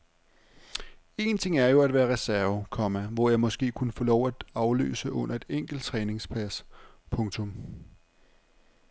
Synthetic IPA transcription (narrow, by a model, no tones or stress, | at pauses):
e̝ːnt͡sʰe̝ŋ̰æɐjo̝æd̥ʋæːɐʁɛsæɐʊkʰɒ̽mæʋɒjɑ̈ɪmɒ̽sɡ̥e̝̰ːkʰunəfɔːlɒʊ̰æd̥ɑ̈ʊlø̰ːsəʔɔ̽n̰ɐe̝d̥eŋ̰ɡ̥l̩d̥̚t͡sʰʁɛːne̝ŋspʰæs | pʰɔ̽ŋt͡sʰɔ̽m